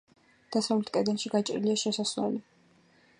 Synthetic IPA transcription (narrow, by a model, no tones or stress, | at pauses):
d̪̥asavlɛt̪kʼɛd̪ɛnʃiɡat͡ʃʼḭliaʃɛsaswɛ̰li